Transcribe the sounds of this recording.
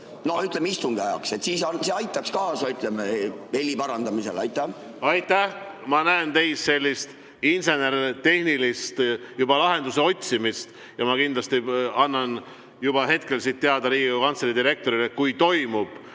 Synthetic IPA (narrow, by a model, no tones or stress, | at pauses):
no̞yt̪ˑlemist̪uŋɡ̥ɑjɑ̰kse̞t̪siːsɑnseɑjt̪ːˑɑkskɑːsɑyt̪ˑlemeelʲːipɑɾɑnd̪ɑmise̞̰lɑjt̪ːˑæ | ɑjt̪ːæh | mɑnæent̪e̞jsːe̞lʲːist̪ | inse̞ne̞ɾt̪e̞hnilist̪jub̥ɑlɑɦe̞nd̪̥use̞o̞t̪ʲsimist̪ | jɑmɑkind̪lɑst̪iɑnːɑn | jub̥ɑɦe̞t̪ke̞lsiːt̪ːeɑd̪ɑɾiːɡiukɑnseɾid̪iɾe̞k̚t̪o̞ɾilekujt̪o̞jmub̥